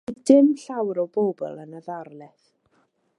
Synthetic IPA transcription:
d̥ɪmɬawɾɔwbobɔ̰lˠənəðarlˠɛθ

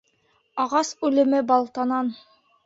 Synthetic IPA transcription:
ɑʁɑsʉlɘ̆mɘbɑlˠt̪ɑnɑn

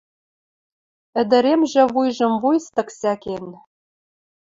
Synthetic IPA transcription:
ɘ̆d̪ɘ̆ɾemʒĕβujʒɤ̆mvujst̪ɤ̆ksæken

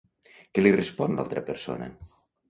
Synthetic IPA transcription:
kelirespɔnla̰lˠt̪ɾəpeɾso̰na̰

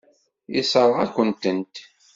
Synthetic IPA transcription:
isˤəɾˤʁækʷːənt̪ənt̪

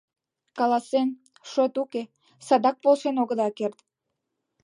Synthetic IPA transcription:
kɑlɑsen | ʃot̪uke | sɑd̪ɑk̚polʃenoɣəd̪ɑkert̪

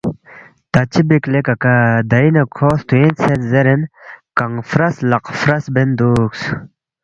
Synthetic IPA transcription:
t̪ɐt͡ɕibiklekɐkad̪ɐinɐkʰoːst̪uent͡sʰet̪zeɾenkɐŋfɾɐslɐqfɾɐsbend̪uːks

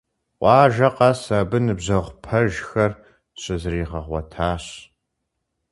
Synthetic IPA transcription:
ʔʷɑːʒɐqɑːsabɨnɨbʑɐʁʷpʰɐʒxɐr | ɕʼɪzɨriːʁɐʁʷɔ̰tʰaːɕ

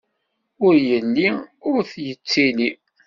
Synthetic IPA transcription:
ʊɾjənːiʊɾθjət͡sːini

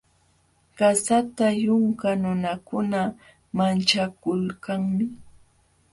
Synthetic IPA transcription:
ɢ̥asat̪ajʊŋkanʊnakʊna | mant͡ʃakʊlkaŋmɪ

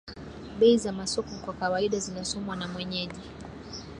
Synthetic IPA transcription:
ɓɛizamasɔkɔkwakawaiɗazinasɔmwanamwɛɲɛʄi

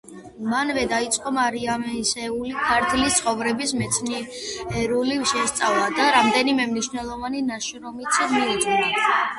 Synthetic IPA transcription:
manvɛd̪ait̪sʼqʼɔmaɾiamɛsɛulikʰaɾt̪ʰlist̪sʰχɔvɾɛbismɛt̪sʰniɛɾuliʃɛst̪sʼalad̪aɾamd̪ɛnimɛmniʃvnɛlˠɔvaninaʃɾɔmit̪sʰmiud͡ʒɡɛna

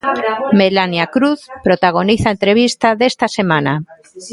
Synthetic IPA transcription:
melanjakɾuθpɾot̪aɣ̞oniθaent̪ɾeβ̞ist̪aðest̪asemãna

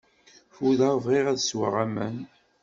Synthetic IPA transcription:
fuðavʁiʁæðswə̰ʁæmən

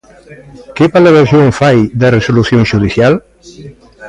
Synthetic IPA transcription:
kepalaβeɾzjoɱfajd̪eresuluθjonʒuðiθjal

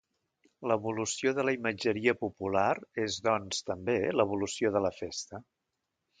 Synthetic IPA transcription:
ləβulusioðələiməd͡ʒəɾiəpupulaɾezðɔnst̪əmbeləβ̞ulusioðələfest̪ə

